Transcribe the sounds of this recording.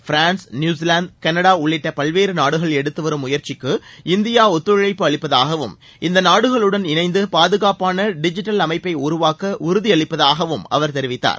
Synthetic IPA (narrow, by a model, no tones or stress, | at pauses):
fɾaːnsnjuːs̬ilaːnd̪̚kɐnɐɽaːʊɭːɪʈːɐpɐlʋeːɾɯnaːɽɯɣɐɭɛɽɯt̪ːɯʋɐɾɯmːʊjɐɾt͡ʃɪkːɯɪnd̪ɪjaːɔt̪ːɯɐɭɐɪpːɯɐɭɪpːɐðaːɣɐʋɯm | ɪnd̪ɐnaːɽɯɣɐɭɯɽɐnɪnɐɪnd̪ɯpaːðɯɣaːpaːnɐɖɪd͡ʒɪʈːɐlɐmɐɪpːɐɪʊɾʊʋaːkɐʔʊɾʊðiɐɭɪpːɐðaːɣɐʋɯmɐ̰ʋɐɾt̪ɛɾɪʋɪt̪ːa̰ːɾ